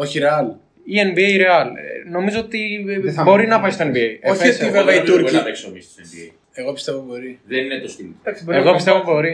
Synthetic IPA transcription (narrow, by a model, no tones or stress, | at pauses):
o̞çiɾeɐl | ienbiejɾeɐlno̞mizoot̪ibo̞ɾinɐpɐjst̪oenbiejeoçst̪iveveit̪uɾɾɐveksomist̪u̥senbiej | eɣo̞pi̥st̪evopbo̞ɾiðeninet̪ost̪ild̪ɐksiboeɣopist̪evop̪bo̞ɾi